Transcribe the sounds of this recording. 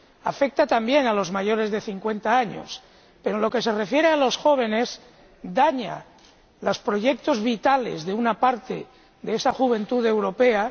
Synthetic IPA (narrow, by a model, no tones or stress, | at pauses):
a̰fek̚t̪at̪ambje̞nalo̞zmaʝo̞ɾe̞zðe̞θiŋkwe̞nt̪aaɲo̞̰s | pe̞ɾonlo̞ke̞se̞re̞fje̞ɾealo̞sxo̞β̞e̞ne̞z | d̪aɲa̰ | lospɾo̞ʝe̞k̚t̪o̞zβit̪ale̞̰zðe̞unapaɾt̪e̞̰ | ðeesaxuβ̞e̞nt̪uðe̞wɾo̞pe̞a